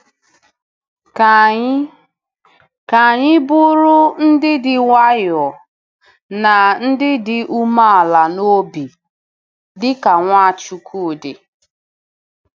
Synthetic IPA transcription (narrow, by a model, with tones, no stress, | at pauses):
ka˨ɲɪ˦bʊ˦ɾʊ˦n̩˦dɪ˦dɪ˨ŋʷa˦jɔ˨ | na˨n̩˦dɪ˦dɪ˨ʔu˦ma˦a˨la˨no˦bi˨ | dɪ˦ka˨ŋʷa˦˨t͡ʃu˨kʰu˦˨dɪ˨